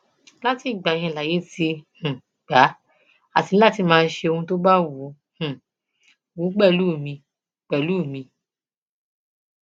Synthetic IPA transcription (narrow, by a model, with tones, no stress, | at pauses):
la˦ti˦˨ɡ͡bã˨˦ĩ˧˨la˨je˨˦ti˧hũ˨ | ɡ͡ba˨˦ | a̰˦˨ti˨˧nĩ˦la˦ti˧˦mãː˧n̩˦ʃe˧o˧hũ˧to˦ba˦wu˨˦ | hũ˨ | wu˨˦k͡pɛ˦˨lu˦˨mĩ˧ | k͡pɛ˨lu˦˨mĩ˧